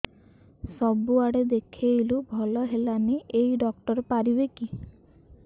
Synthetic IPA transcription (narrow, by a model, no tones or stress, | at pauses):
sɔbuaɽed̪ekʰejlubʱɔlɔɦelaneʔejɖɔk̚ʈɔɾɔpaɾibeki